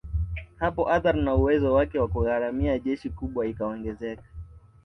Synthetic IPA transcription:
hapɔʔaθaɾnauwɛzɔwakɛwakuɣaɾamiaʄɛʃikuɓwaikaɔŋɡɛzɛkḁ

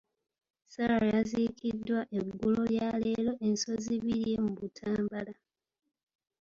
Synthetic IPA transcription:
salajazikʰidːwaʔeɡːulo̞βjale̞ːlo̞ʔe̞nso̞ziβiɾje̞muβutʰaːmbala

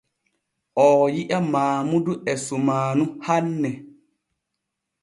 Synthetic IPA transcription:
ʔɔːjiʔamaːmuduʔɛsumaːnuhanːɛ

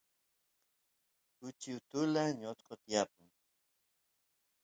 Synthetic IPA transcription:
kʊt͡ʃiwt̪ʊlaɲot͡s̪qot̪japʊŋ

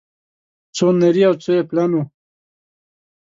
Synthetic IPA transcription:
t͡soneɾiawt͡soeplanu

